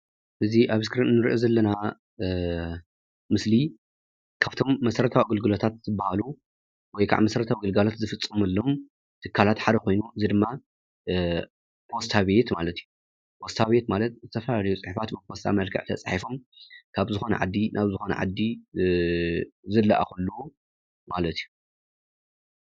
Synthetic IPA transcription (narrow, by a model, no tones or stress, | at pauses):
ʔɨziʔaβskɾinnːɨɾḭʔozɐlːɐna | mɨsli | kʰaβt̪ʰo̞mːɐsɐɾɐt̪ʰawiɡɨlɡɨlot̪ʰat̪̚zɨbːahalu | wɔjkʰa̰ʕmɐsɐɾɐt̪ʰawiɡɨlɡalot̪zɨfɨt͡sʼːɨmɐlːom | t̪ʰɨkʰːalat̪ħad̪ɐkʰo̞jnuʔɨzid̪ɨmːa | pʰo̞st̪ʰaβe̞t̪malɐt̪iju | pʰo̞st̪ʰaβe̞t̪malɐt̪̚zɨt̪ʰɐfɐlalɐjut͡sʼɨħifat̪bɨpʰo̞st̪ʰa̰mɐlkʰɨ̰ʕt̪ʰɐ̰t͡sʼħifomkʰaβzɨxo̞nɐ̰ʕa̰d̪ːinʔaβzɨxonɐ̰ʕa̰d̪ːi | zɨlːaʔa̰xulːu | malɐt̪ʰijːu